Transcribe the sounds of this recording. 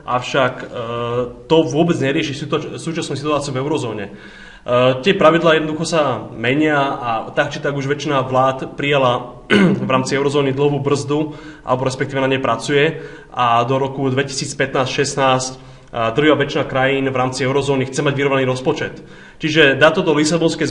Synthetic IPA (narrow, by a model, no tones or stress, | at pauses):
ʔa̰ʊʃak | t̪ɔʋʊɔbɛd͡zɲɛɾɪɛʃiːsuːt͡ʃasnusit̪uaːt͡siuvɛʊɾɔzɔːɲɛ | t̪ɪɛpɾaʋid̪laːjɛd̪nɔd̪uxɔsamɛɲɪaat̪ak̚t͡ʃit̪aɡuʒʋɛt͡ʃinaʋlaːt̪pɾijala | vɾaːmt͡siɛʊɾɔzɔːnid̪l̩ɦʋuːbr̩zd̪uʔa̰lɛbɔɾɛspɛk̚t̪iʋɛnaɲɛjpɾat͡sujɛ | ʔad̪ɔɾɔkud̪ʋɛci̥siːt͡spɛt̪naːscʃɛsnaːsc | d̪l̩ɦaʋɛt͡ʃinakɾajiːnvɾaːmt͡siɛʊɾɔzɔːnixt͡sɛmaɟʋiɾɔʋnaniɾɔspɔt͡ʃɛt̪ | t͡ʃiʒɛd̪aːt̪ɔt̪ɔlisabɔnskɛjz